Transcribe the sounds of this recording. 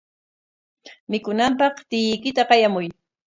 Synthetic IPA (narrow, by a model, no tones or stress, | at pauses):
mɪkʊnampɑχt̪ɪjɪjkɪt̪aqɑjamʊj